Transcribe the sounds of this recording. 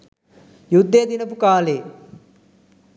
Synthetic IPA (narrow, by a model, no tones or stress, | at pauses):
jud̪ːejəd̪inəpukaːleː